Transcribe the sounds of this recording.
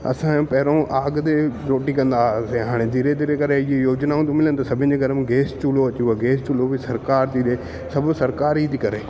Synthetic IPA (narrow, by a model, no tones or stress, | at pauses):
ɐ̰sãpɐɦɪɾõʔaːɡt̪eɾoːʈikɐ̃nd̪aːseɦaːɽ̃ed̪iːɾed̪iːɾekɐɾeɪejoːd͡ʑnaːũt̪omɪlənɪ̆t̪ɐsɐbʱɪ̃ñɪ̃̆d͡ʑeɡʱɐɾəmɡeːst͡ɕuːloɐt͡ɕieɡeːst͡ʃuːlobɪsɐɾkaːɾt̪iɗ̪e | sɐbʱsɐɾkaːɾit̪ʰikɐɾeː